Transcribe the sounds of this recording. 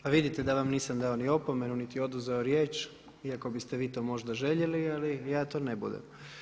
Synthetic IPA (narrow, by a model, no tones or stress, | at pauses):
aʋid̪it̪e̞d̪aʋamniːsamd̪aonio̞pome̞nunit̪io̞d̪uzeoɾjeːt͡ʃ | iako̞bist̪e̞ʋiːt̪o̞ːmo̞ʒd̪aʒe̞ʎelialijaːt̪oːnebṵd̪ḛm